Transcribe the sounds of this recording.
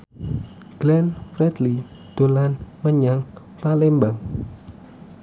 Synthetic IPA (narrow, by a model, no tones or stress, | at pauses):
ɡ̥lɛnfrɛd̪li | d̪̥o̤lanməɲaŋ | palembaŋ